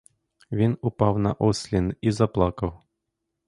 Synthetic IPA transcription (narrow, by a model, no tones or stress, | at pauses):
vʲinupɑwnɐ̰ʔosʲlʲinizɐplˠɑkəw